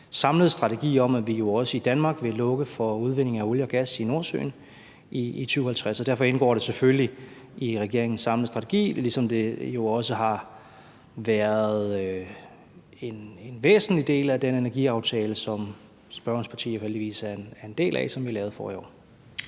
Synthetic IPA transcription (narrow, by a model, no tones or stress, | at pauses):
sɑ̈mləð̩ˠsd̥ʁɑ̈t͡sʰe̝ɡ̥ḭːɒ̽mæʋijo̝ɒ̽səid̥ænmɑ̈ːɡ̥ʋe̝lɔ̽ɡ̥əfɒuð̞ˠʋe̝ne̝ŋ̩æo̝ljɒɡ̥æsino̝ɐsø̰ːn | ʔiːt͡sʰyːʊhælt͡sʰʁasɒd̥æɐ̰fɒ̽e̝nɡ̥ɒ̰ːɾ̥e̝sefølli | iʁɛɡ̥e̝ɐ̰eŋn̩sɑ̈mlðˠsd̥ʁɑ̈t͡sʰe̝ɡ̥ḭːlisɒ̽md̥e̝jo̝ɒ̽səɦɑ̈ | ʋæɐð̩ˠ | e̝nenʋḛːsn̩lid̥e̝̰ːlæd̥enenæɐɡ̥iɑ̈ʊt͡sʰɛːləsɒ̽m | sb̥ɶɐn̩spʰɑ̈t͡sʰḭːjoɦeldiʋḭːsæɐenæɐe̝nd̥e̝̰ːlʔæ̰sɒ̽mʋiɑlɛːʊð̩ˠfɒ̰ːḭɒ̰ː